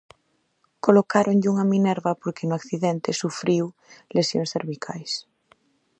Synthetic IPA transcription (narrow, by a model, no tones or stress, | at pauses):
kolokaɾonʎuŋamĩneɾβapoɾkenoakθiðent̪esufɾiw | lesjoŋsθeɾβikʰajs